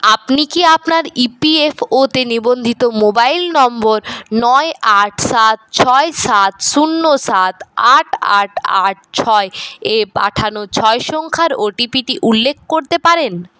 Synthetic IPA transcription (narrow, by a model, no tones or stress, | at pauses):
apnikiapnaɾipiefot̪enibond̪ʱit̪omobailnɔmboɾnɔeʔaʈʰsat̪̚t͡ɕʰɔesat̪ʃunːosat̪aʈʰa̰ʈʰa̰ʈ̚t͡ɕʰɔeepa̰ʈʰanot͡ɕʰɔeʃɔŋkʰaɾoʈipiʈiʔulːekʰːkoɾt̪epaɾen